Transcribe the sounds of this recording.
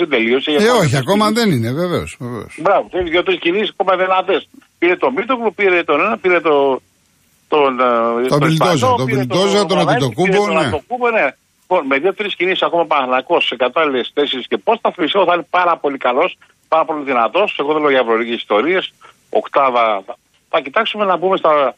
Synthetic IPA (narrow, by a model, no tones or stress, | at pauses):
tid̪elio̞seʝɐeoçiakomɐðenineveveosvevḛosbɾɐvot̪eliðjot̪ɾiscinisisakomɐðenɐt̪espiɾet̪omit̪oɣlopiɾet̪onenɐpiɾet̪o | t̪ont̪oilt̪ozot̪oilt̪ozt̪onɐt̪it̪okubonnɐet̪okubone | lipo̞nmeðet̪eɾescinisi̥sakomɐpɐθnɐko̞sekɐt̪ɐlilest̪e̞se̞ɾiscepo̞sθɐθmist̪ioθɐinepɐɾɐpo̞likɐlo̞s | pɐɾɐpo̞liðinɐt̪o̞se̞ɣoðeloʝɐvɾoɾicesist̪o̞ɾies | o̞̰kt̪ɐðɐθɐ | θɐcit̪ɐksume̞nɐbumest̪ɐ